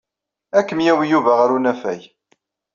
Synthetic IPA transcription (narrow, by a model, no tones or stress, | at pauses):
ækːəmjæwjuvæʁɾunæfæj